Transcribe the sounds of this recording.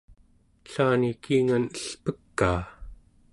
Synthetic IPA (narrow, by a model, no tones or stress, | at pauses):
ɬaːnikiːŋanəɬpəkːaː